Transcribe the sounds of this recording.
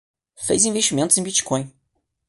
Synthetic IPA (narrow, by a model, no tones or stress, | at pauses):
fḛjzĩveʃt͡ʃimẽnt̪ʊzẽbit͡ʃi̥kõj̃